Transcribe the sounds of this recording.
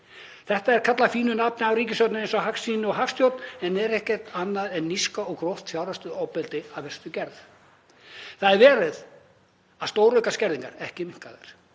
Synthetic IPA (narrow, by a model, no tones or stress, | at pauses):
θɛht̪aɛɾkʰat̪lafiːnʏnapnɪawriːc̬ɪsjɔwt̪nɪejnsɔɦaksiːnʏɔɣɦakst̪jowt̪nɛnɛɾɛhcɛr̥t̪anːaðɛnːiskaɔɣkɾowht̪fjawɾast̪ʏaːwpɛlt̪ɪaðvɛr̥t̪ʏcɛɾð | θaðɛɾvɛːɾɪð | aðst̪owɾʏkascɛɾðiŋkaɾɛhcɪmɪŋ̥kaðaɾ̥